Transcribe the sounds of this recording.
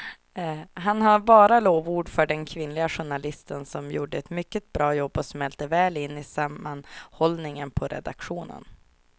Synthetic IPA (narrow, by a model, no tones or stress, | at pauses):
ɦanɦaɾbɑːɾaloːvuːɖfœɖɛnkʰvɪnlɪɡaɧʊɳalɪst̪ənsɔmjṵːɖəɛt̪mʏkːət̪̚bɾɑːjɔbːɔsmɛlt̪əvɛːlɪnːɪsamːanhɔlnɪŋənpʰɔɾɛ̰d̪a̰kɧuːnə̰n